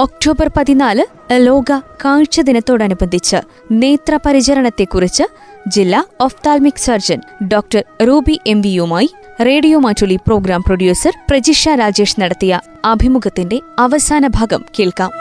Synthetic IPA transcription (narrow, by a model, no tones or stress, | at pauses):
ok̚ʈo̞ːbɐrpɐðinaːlɨ | lo̞ːɡɐkaːɻt͡ɕɐd̪inɐt̪ːo̞ːɽɐnubɐnd̪ʱit͡ɕːɨ̰ | ne̞ːt̪rɐpɐɾit͡ɕɐɾɐɳɐt̪ːe̞kːurit͡ɕːɨ | d͡ʑilːaːoft̪aːlmiksɐrd͡ʑɐn | ɖoːk̚ʈɐɾɾuːbiʔe̞mʋijumaːji | re̞ːɽijoːmaːtuɭipro̞ːɡɾaːmproɖjuːsɐrprɐd͡ʑiʂaːɾaːd͡ʑe̞ːʂnɐɽɐt̪ːijɐ | ɐbʱimuɡɐt̪ːinde̞ɐʋɐsaːnɐbʱaːɡɐmkeːɭkaːm